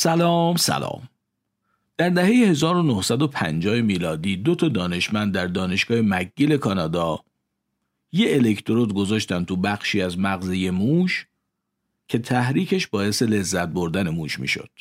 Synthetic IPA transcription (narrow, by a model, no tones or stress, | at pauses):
sælɒːmsæ̰lɒ̰ːm | d̪̥æɾd̪æhe̞jehe̞zɒːɾo̞nohsæd̪o̞pʰæ̰nd͡ʒɒːhemiːlɒːd̪iːd̪ot̪ʰɒːd̪ɒːne̞ʃmænd̪ːæɾd̪ɒːne̞ʃɡ̥ɒːhemæɡːiːle̞kʰɒːnɒːd̪ɒː | jeːlekt̪ʰoɾot̪ɡo̞zɒːʃt̪ænt̪ʰubæxʃiːæzmæɣzeje̞muːʃ | cʰe̞t̪ʰæhɾiːcʰe̞ʃbɒːje̞se̞le̞zːæt̪̚boɾd̪æne̞muːʃmḭːʃo̞̰d̪̥